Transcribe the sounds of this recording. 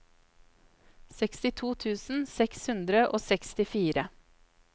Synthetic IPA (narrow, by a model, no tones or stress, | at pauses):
sɛkst̪ɪt̪ʰuːt̪ʰʉːsn̩sɛkshʉnd̪ɾəʔo̰ːsɛkst̪ɪfiːɾə